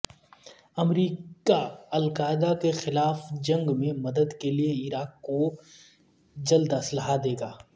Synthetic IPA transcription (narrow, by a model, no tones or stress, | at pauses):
ɐmɾiːkaɐlkaːɪd̪akexɪlaːfd͡ʒɐ̃ŋɡmẽmɐd̪əd̪kelieɪɾaːkːo | d͡ʒɐld̪ɐsləɦad̪eːɡaː